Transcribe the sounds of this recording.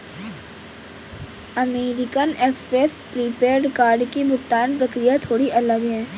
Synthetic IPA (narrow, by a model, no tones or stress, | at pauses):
ɐmeːɾɪkəneːkspɾeːspɾipeːɾɖkaːɾɖkibʊkt̪aːnpɾəkɾijat̪ʰoːɽiʔɐləɡɦɛ̃ː